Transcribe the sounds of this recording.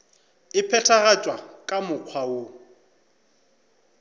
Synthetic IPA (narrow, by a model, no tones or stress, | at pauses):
ɪpʰɛtʰaɣat͡ʃʼwakʼamʊq͡χʰwao